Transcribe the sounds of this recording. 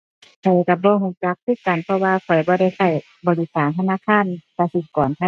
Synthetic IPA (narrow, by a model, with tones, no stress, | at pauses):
kʰɔ˨˩jka˧˩bɔː˧˦ɦuː˧˦t͡ɕa˧˦k̚t̪ʰɯː˧˥˩ka˨npʰɔ˧waː˧kʰɔ˨˩jbɔː˧˦ɾa˧˩˨jsa˧˩j | bɔː˨˦li˧˩saː˨˦nt̪ʰa˧naː˧˥˨kʰaː˧˥˨nsa˧t̪ʰi˧˩kɔː˨˦nkʰa˧